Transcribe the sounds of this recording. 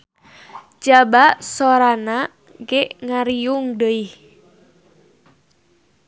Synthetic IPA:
d͡ʒabaʔsoɾana | ɡeʔŋaɾiuŋdəih

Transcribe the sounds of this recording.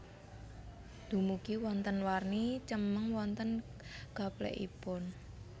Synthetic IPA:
d̪̥ṳmukiwɔnt̪ənwarnit͡ʃəməŋwɔnt̪ənɡ̥a̤plɛ̰ʔḭpʊn

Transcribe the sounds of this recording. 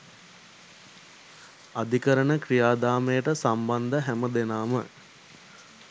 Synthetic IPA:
ad̪ikəɾəɳəkrijaːd̪aːmejəʈəsamband̪əɦæməd̪enaːmə̰

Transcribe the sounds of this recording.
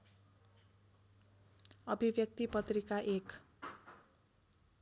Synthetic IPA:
ʌbʱibjʌk̚t̪ipʌt̪rikaʔek

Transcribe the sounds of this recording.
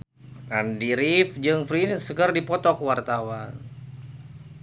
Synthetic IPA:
ʔandiɾifd͡ʒɨŋfɾinsəkərdipɔt̪ɔkəwart̪awan

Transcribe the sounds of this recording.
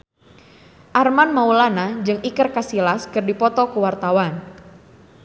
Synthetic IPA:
ʔarmanmaulanad͡ʒɨŋikərkasilaskɨrdipɔt̪ɔkuwart̪awan

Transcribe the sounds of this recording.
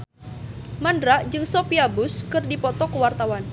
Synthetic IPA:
mandɾaʔd͡ʒɨŋsopiabʊskɨrdipɔt̪ɔkəwart̪awan

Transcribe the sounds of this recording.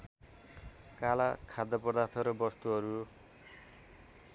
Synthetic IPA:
kalakʰad̪ʱːʌpʌd̪art̪ʰʌɾʌbʌst̪uɦʌɾu

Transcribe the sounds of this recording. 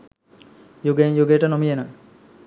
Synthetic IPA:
juɡenjuɡejʈənomijenə

